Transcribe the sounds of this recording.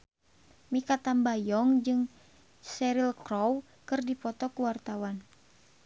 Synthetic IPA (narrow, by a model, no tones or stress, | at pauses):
mikat̪ambajɔŋd͡ʒɨŋ | sɛɾilkɾɔw | kɨrdipɔt̪ɔkuwart̪awan